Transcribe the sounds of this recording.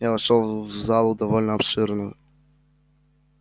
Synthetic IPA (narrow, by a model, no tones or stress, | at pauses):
javɐʂolˠvzalˠʊd̪ɐvɔlʲnəɐpʂɨɾnɨjʊ̰